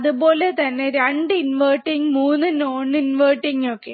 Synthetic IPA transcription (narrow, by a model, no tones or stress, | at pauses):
ɐðupo̞ːlet̪ɐnːe̞ɾeɳɖɨinʋɐrʈːiŋɡɨmuːnːɨnoːnːɨinʋɐrʈːiŋɡokːe